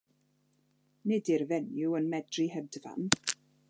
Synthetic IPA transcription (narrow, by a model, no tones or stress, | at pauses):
nɪdirvɛnjuənmɛdrihɛdəva̰n